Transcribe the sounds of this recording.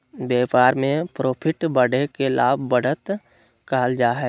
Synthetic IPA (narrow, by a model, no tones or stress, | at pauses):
beːpaːɾmẽpɾoːpʰɪʈbəɽekelaːbbəɽ̤ət̪ | kaːld͡ʒaːɦɛː